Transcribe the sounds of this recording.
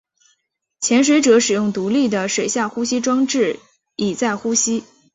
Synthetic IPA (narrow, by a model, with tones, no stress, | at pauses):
t͡ɕʰjɛ˧˥nʂ̬we˧˥ɪʈ͡ʂɤ˧˥ʂɻ̩˨˩jʊ˥˩ŋt̪u˧˥li˥˩d̪ə˩ʂwe˨˩ɪɕja˥˩xu˥ɕi˥ʈ͡ʂwɑ˥ŋʈ͡ʂɻ̩˥˩ | i˨˩t͡sa˥˩ɪxu˥ɕi˥